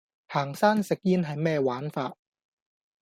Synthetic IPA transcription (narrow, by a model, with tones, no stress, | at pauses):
haː˨˩ŋsaː˥nsɪ˨k̚jiː˥nɦɐ˨jmɛː˥waː˨˥nfaː˧t̚